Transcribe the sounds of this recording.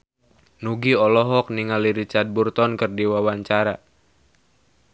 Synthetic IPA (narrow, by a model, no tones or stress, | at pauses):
nuɡiɔlɔɦɔk̚niŋaliɾit͡ʃard̪̚burt̪ɔnkərdiwawaɲt͡ʃaɾa